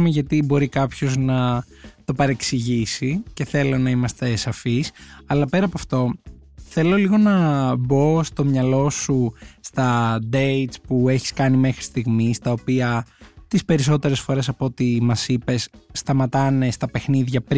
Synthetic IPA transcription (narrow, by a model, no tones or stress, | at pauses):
umeʝɐt̪ibo̞ɾikɐpço̞znɐ | t̪o̞pɐɾe̞ksiʝisice̞θe̞lo̞nɐimɐst̪e̞sɐfisɐlɐpe̞ɾɐpoɐft̪o̞ | θe̞lo̞liɣo̞nɐbo̞st̪o̞mɲɐlo̞sust̪ɐd̪ejt̪spue̞çi̥skɐnime̞xɾi̥st̪iɣmist̪ɐo̞piɐt̪ispe̞ɾis̬o̞t̪e̞ɾe̞sfo̞ɾe̞sɐpo̞t̪imɐsipe̞sːt̪ɐmɐt̪ɐne̞st̪ɐpe̞xniðʝɐpɾ